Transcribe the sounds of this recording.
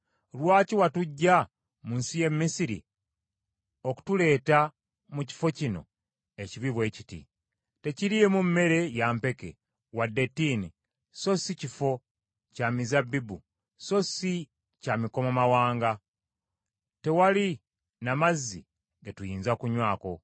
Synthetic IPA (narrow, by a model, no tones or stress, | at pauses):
lwaːciwatuɟːa | muːnsije̞mːisiɾḭ | o̞ku̥tule̞ːta | muci̥fo̞cino̞̰ | e̞ciβiβwe̞ːcitḭ | te̞ciɾijemummːe̞ɾe̞jaːmpe̞ke̞̰ | wadːe̞tini | so̞sicifo̞ | camizabːibu | so̞si | camiko̞mamawaːŋɡa | te̞wali | namazːi | ɡetujiːnzakuɲwaːko̞̰